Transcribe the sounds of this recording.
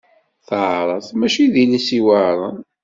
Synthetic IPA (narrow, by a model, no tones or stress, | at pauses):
θʕɾˤəθmæʃiðilisiwəɾˤən